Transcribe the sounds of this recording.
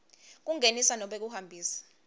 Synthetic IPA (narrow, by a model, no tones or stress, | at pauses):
k̬uŋʱenisanɔɓek̬uhambʱiːsḁ